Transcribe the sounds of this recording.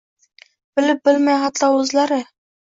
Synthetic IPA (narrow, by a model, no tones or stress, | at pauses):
b̥ɪ̆lɪp̚bɪlmajχɑt̪lɑwɵzlaɾɪ